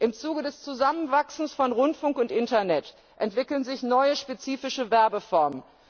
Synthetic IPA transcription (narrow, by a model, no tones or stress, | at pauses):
ʔɪmt͡suːɡədɛst͡suzamənvaksn̩sfɔnʁʊntfʊŋkʊntʔɪntɐnɛt | ʔɛntv̥ɪkl̩ənzɪçnɔʏəʃpet͡siːfɪʃəvɛɐbəfɔɐmən